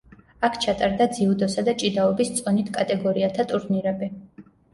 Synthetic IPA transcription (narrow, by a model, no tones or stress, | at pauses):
akʰt͡ʃʰat̪ʼaɾd̪ad̪ziud̪ɔsad̪at͡ʃʼid̪aɔbist̪sʼɔnit̪ʰkʼat̪ʼɛɡɔɾiat̪ʰat̪ʼuɾniɾɛbi